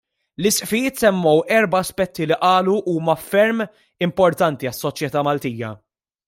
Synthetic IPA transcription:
lɪsʔfɪjɪːt̪sɛmːɔwɛɾbɐːspɛt̪ːiliʔɐːluʔuːmɐfɛɾm | ɪmpɔɾt̪ɐnt̪iɐsːɔt͡ʃjɛt̪ɐːmɐlt̪iːjɐ̰

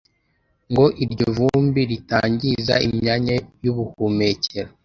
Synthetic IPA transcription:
ŋɡo̞ʔiɾɟovumbiɾitaːɲɟiza̰imɲaɲajuβuhume̞ceɾo

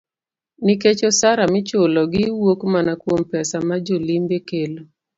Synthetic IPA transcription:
niket͡ʃosaɾamɪt͡ʃolɔɡɪwokmanakwompɛsamad͡ʒolimbekelo

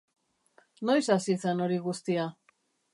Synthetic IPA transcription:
no̞jsasiseno̞ɾiɣust̪ia

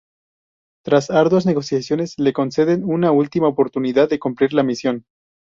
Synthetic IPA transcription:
t̪ɾasaɾðwazne̞ɣo̞sjasjo̞ne̞sle̞ko̞nse̞ðe̞nunault̪imaopo̞ɾt̪uniðaðːe̞kumpliɾlamisjo̞n

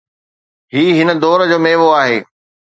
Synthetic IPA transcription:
ɦiːɦɪnə̆d̪ɔːɾd͡ʑoːmeːʋoaːɦeː

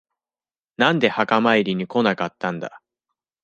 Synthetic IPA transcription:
nãnd̪e̞hakamaiɾʲiɲ̟iko̞nakat̪ːãnd̪a̰

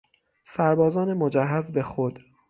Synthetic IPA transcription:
sæɾbɒːzɒːnemod͡ʒæɦːæzbe̞xod̪̥

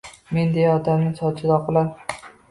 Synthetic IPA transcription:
mend̪ejaɒd̪amnɪsɒt͡ʃʰɪd̪ɒqʰɨlˠaɾ

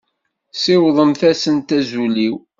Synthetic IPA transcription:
sɪwðˤəmθæsənt̪æzuliw

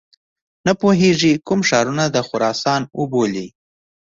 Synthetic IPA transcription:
napoɦeʐikʊmʃɑɾunad̪əxʊɾɑsɑnwʊboli

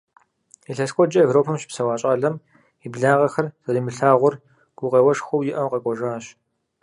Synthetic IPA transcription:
ɛɬɐskʷʼɔd͡ʒɐɛvroːpʰɐmʃɪ̥psɐwaːt͡ʃʼɐɮɐm | ibɮaːʁɐxɐrz̥ɐɾiːmɨɬaːʁʷʊr | ɡ̥ʷʊqʼeːwɐʂxʷʊwjɪʔɐmqɐkʷʼɔʒaːɕ

